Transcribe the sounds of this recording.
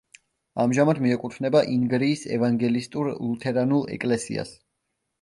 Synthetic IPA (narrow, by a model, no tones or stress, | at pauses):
amʒamad̪miɛkʼut̪ʰnɛbaʔiŋɡɾiːsɛ̰vaŋɡɛlist̪ʼuɾlˠut̪ʰɛɾanulˠɛ̰kʼlɛsḭa̰s